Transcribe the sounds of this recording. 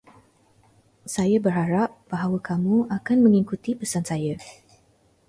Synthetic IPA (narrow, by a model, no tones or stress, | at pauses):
sajabərhaɾap̚b̥aɦawakamuʔakanmə̃ŋikut̪ipəsansaja